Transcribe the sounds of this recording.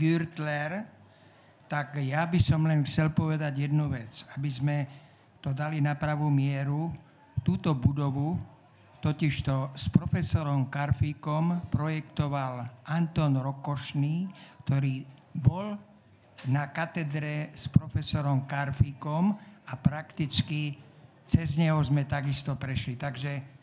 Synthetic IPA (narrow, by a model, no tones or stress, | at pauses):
ɡyɾt̪lɛɾ | t̪akjabisɔmlɛnxt͡sɛlpɔʋɛd̪aɟjɛd̪nuʋɛt͡sabizmɛ | t̪ɔd̪alinapɾaʋumɪɛɾu | t̪uːt̪ɔbud̪ɔʋu | t̪ɔciʃt̪ɔspɾɔfɛsɔɾɔmkaɾfiːkɔmpɾɔjɛkt̪ɔʋalant̪ɔːnɾɔkɔʃniːkt̪ɔɾiːbɔl | nakat̪ɛd̪ɾɛspɾɔfɛsɔɾɔmkaɾfiːkɔmapɾakt̪it͡ski | t͡sɛzɲɛɦɔzmɛt̪aɡist̪ɔpɾɛʃlit̪aɡʒɛ